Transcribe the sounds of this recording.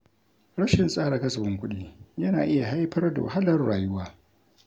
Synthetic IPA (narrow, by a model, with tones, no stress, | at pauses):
ɽɐ˦ʃɪ˨nsʼaː˦ɽa˨kɐ˦sɐ˨ɸɪ˦ŋkʷʊ˦ɗiː˦jɐ˦naː˨ʔɪ˦ja˨ɦa˦jɸɐ˦rda̰˨wa̰˨ɦa˦lɐ˨rɽaː˨jʊ˦waː˦